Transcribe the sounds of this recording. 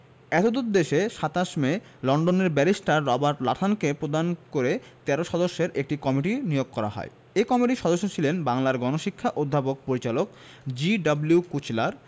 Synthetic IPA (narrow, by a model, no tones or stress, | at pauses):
ɛt̪od̪ut̪̚d̪eʃeʃat̪aʃme | lɔɳɖoneɾbɛɾisʈaɾːɔbaɾʈla̰ʈ̪ʰankepɾod̪ankoɾet̪ɛɾoʃɔd̪oʃːeɾʔek̚ʈikɔmiʈinijoɡ̚kɔɾa̰ɦɔ̰e | ekɔmiʈiʃɔd̪oʃːot͡ɕʰilenbaŋlaɾɡɔnoʃikʰːaʔod̪ʱːapok̚poɾit͡ɕalok̚ | d͡ʑiɖabljukut͡ɕlaɾ